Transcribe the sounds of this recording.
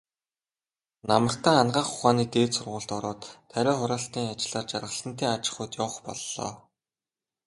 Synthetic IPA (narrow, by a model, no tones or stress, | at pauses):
namə̆r̥t̪æːanɢaːχʊ̥χaːniːt̪eːt̪sʊrʁʊ̆ːɬt̪ɔɾɔːt̪ʰːæɾʲɔːχʊɾaːɬt̪iːŋat͡ɕɪ̆ɮaːt͡ɕarʁə̆sə̆n̥t̪eːŋat͡ɕɪ̥̆χʊːt̪jɔwχpɔ̰ɮːɔ̰ː